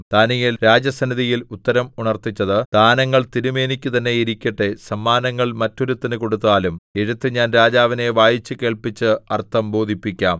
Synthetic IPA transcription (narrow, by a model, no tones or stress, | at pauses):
d̪̥aːnijilɾaːd͡ʑjɐsɐnːiðijilut̪ːɐɾɐmuɳɐrt̪it͡ɕːɐðɨd̪̥aːnɐŋːɐɭt̪iɾume̞ːnikʲːut̪ɐnːe̞jiɾikʲːiʈːesɐmːaːnɐŋːɐɭmɐtːo̞ɾut̪ːinɨko̞ɽut̪ːaːlume̞ɻut̪ːɨɲaːnɾaːd͡ʑaːʋine̞ʋaːjit͡ɕːɨke̞ːɭpit͡ɕːɨɐrt̪ːɐmbo̞ːd̪ʱipːikʲːaːm